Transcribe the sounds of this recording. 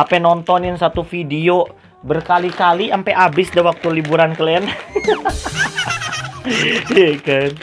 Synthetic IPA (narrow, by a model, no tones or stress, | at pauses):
apɛnɔnt̪ɔnɪnsat̪ufidio | bərkalikaliʔampɛʔabɪsdawak̚t̪ulibuɾankəlɛn | ekan